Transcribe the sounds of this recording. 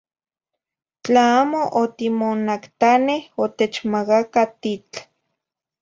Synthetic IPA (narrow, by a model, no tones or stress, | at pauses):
t͡ɬaaːmoʔot̪imonakt̪anehot̪et͡ʃmakakat̪it͡ɬ